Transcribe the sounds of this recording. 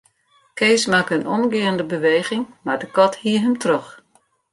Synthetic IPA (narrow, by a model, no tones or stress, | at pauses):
keːsmakənʔɔmɡɪəəndəbəʋeːɣɪŋmardəkɔthiəɦəmtrøx